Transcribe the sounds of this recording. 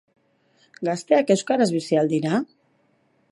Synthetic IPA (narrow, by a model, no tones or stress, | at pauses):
ɡast̪e̞ake̞wskaɾazβisiald̪iɾa